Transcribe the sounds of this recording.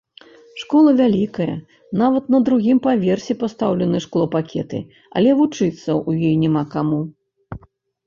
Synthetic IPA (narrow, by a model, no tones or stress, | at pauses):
ʂkɔlˠɐvʲalʲikɐjɐ̰ | navɐt̪nɐd̪ɾuɣʲimpavʲɛrsʲipast̪awlʲɛnɨʂklˠɔpakʲʰɛ̰t̪ɨ̰ | ɐ̰lʲɛvut͡ʂɨt̪sːɐʔujɔjnʲɛmakamu